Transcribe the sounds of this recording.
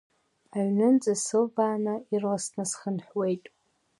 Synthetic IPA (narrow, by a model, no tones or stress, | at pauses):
aɥnɨnd͡zʼasɨlbaːnairlasnɨsχənħwejtʼ